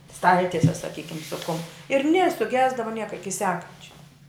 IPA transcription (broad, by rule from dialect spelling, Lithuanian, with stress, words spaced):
ˈstɐlʲtʲiɛsʲɛ sɐˈkʲiːkʲɪm sʊ kʊm ɪr nʲeː sʊˈɡʲæːzdɐʋɐ ˈnʲiɛkɐ ˈɪkʲɪ ˈsʲæːkɐnʲt͡ʃʲɛ